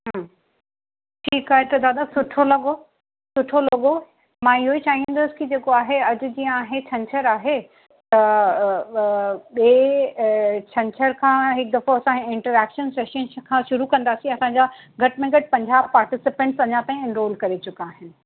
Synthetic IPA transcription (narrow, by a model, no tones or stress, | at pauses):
ɦã | ʈʰiːkaːɦet̪ɐd̪aːd̪asʊʈʰolɐɠo | sʊʈʰolɐɠo | mãːɪɦoit͡ɕaːɦĩn̆d̪ʊsɪ̥kid͡ʑeːkoaːɦeɐd͡ʑʊ̆d͡ʑijə̃aːɦet͡ɕʰɐ̃ɲt͡ɕʰəɾaːɦe | t̪ɐ | ɓeː | t͡ɕʰɐ̃ɲt͡ɕʰəɾkʰãːɦɪk̚d̪ɐfoɐsãɪ̃ɳʈəɾɛːkʃənseːʃənkʰãːʃʊɾukɐ̃nd̪aːsĩɐsãːɲd͡ʑa | ɡʱɐʈmẽɡɐʈ̚pɐ̃ɲd͡ʑaːb̚paːɾʈɪsɪpẽɳʈsɐɲat̪ãːĩɪ̃nɾoːlkɐɾet͡ɕʊkaːɦɪnɪ̆